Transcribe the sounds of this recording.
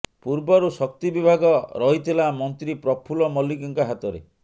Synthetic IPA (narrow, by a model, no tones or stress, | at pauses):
puɾbɔɾusɔk̚t̪ibibʱaɡɔɾɔɦit̪ʰilamɔnt̪ɾipɾɔpʰulɔmɔlik̬iŋkaɦat̪ɔɾḛ